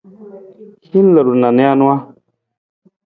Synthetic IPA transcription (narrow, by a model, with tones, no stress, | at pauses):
hi˦n˦lə˨ɾu˨na˨ne˦a˦nu˦a˦